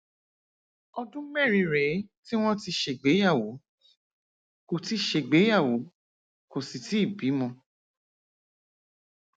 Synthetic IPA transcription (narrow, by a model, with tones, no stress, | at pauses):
ɔ˧dũ˦mɛ˦˨ɾi˧ɾɛ˨˦ti˦w̃ɔ̃˦ti˧ʃe˨ɡ͡be˨˦ja˦˨wo˨˦ | ko˨ti˧ʃe˧˨ɡ͡be˨˦ja˦˨wo˨˦ | ko˨si˨ti˨˦i˦˨bi˨˦mɔ̃˧